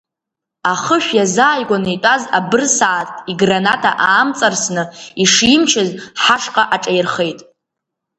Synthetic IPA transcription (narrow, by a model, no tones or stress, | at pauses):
aχəʃʷᶣjazaːjɡʷanitʷʼazabɨrsaːtʰʼiɡranatʰa̰ʔaːmt͡sʼarsnɨiʂimt͡ʃʰɪzħaʂqʼaʔaʈ͡ʂʼajrχe̞jtʼ